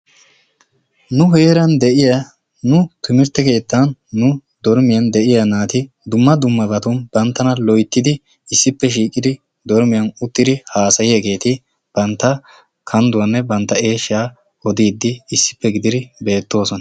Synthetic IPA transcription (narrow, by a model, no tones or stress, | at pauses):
nʊɦeːɾɐnd̪ɛʔɪjɐ | nʊt̪ʊmɪɾt̪ːɛke̞ːt̪ːɐnːʊ | d̪ɔɾmɪjɐnd̪ɛʔɪjɐnaːt̪ɪ | d̪ʊmːɐd̪ʊmːɐbɐt̪ʊnb̥ɐnt̪ːɐnɐlɔjt̪ːɪd̪ɪ | ɪsːɪpːɛʃ̬iːkʼːɪd̪ɪ | d̪ɔɾmɪjɐnʊt̪ːɪd̪ɪhaːsɐjɪjɐɡe̞ːt̪ɪ | b̥ɐnt̪ːɐ | kʰɐnd̪ʊwɐnːɛbɐnt̪ːɐe̞ːʃːɪaː | ɔd̪iːd̪ːɪːsːɪ̥pːɛɡɪd̪ɪd̪ɪbe̞ːt̪ːo̞ːsɔnɐ